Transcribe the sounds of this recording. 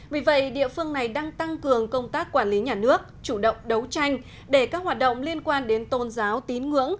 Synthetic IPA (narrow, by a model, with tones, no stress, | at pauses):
vi˨˩˦və̰˧˨jɗḭ˧˨əfɨ˧əŋna˨˩jɗaː˧ŋt̪a˧ŋkɨ˨˩əŋkə˧wŋ͡mt̪aː˦˥kːwaː˧˩nli˨˦ɲaː˨˩nɨ˦˥ək̚t͡ɕu˧˩ɗə̰˧˨wŋ͡mɗə˨˦wt͡ɕa˧jŋ̟ | ɗe˧˩kaː˦˥k̚ɦwaː˨˩t̚ɗə̰˧˨wŋ͡mli˧ənkwaː˧nɗe˨˦nt̪o˨˩nzaː˨˦wt̪i˨˦nŋɨ̰˧˥əŋ